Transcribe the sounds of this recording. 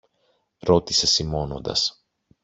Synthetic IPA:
ɾo̞t̪ise̞simo̞no̞̰nd̪ɐ̰s

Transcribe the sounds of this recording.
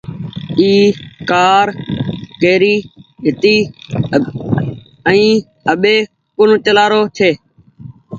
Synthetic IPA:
iːkaːɾkeːɾiːɦɪt̪iː | əĩː | əɓeː | kʊn̤t͡ʃəlaːɾoːt͡ʃʰeː

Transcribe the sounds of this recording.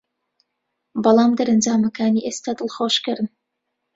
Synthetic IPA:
bɐlˠɑːmd̪ɐɾɐnd͡ʒaːmɐkaːniʔest̪ad̪ɨlˠxoʃkɨɾɨn

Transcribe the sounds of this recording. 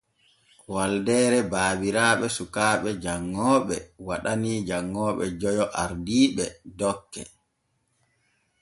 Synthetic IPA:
waldɛːɾɛbaːbiɾaːɓɛsukaːɓɛd͡ʒaŋːɔːɓɛwaɗaniːd͡ʒaŋːɔːɓɛ̰d͡ʒɔjɔʔaɾdiːɓɛdɔkːɛ̰

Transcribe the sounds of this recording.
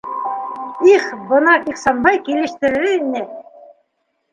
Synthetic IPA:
iχbɤ̆nɑiχsɑnbɑjkilɘ̆ʃt̪ɘ̆ɾɘinɘ

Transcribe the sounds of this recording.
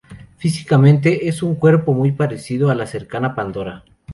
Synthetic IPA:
fisi̥kamẽ̞nt̪e̞ʔesuŋkwe̞ɾpomujpaɾesið̞oalaseɾkanapand̪o̞ɾa

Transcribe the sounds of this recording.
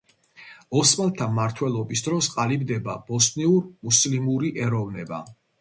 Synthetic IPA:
ɔsmalt̪ʰamaɾt̪ʰwɛlˠɔbisd̪ɾɔsqʼalibd̪ɛba̰b̥ɔsʼniuɾmuslimuɾiʔɛɾɔvnɛba̰

